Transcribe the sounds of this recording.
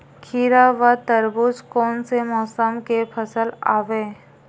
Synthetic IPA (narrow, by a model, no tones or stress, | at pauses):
kʰiːɾaʋat̪əɾbʊd͡ʒkɔːnsemɔːsəmkepʰəsəla̰ːʋeː